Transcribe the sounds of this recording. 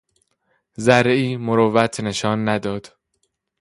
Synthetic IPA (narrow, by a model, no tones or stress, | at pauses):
zæɾeiːmoɾovæt̪ʰne̞ʃɒːnːæd̪ɒːd̪̥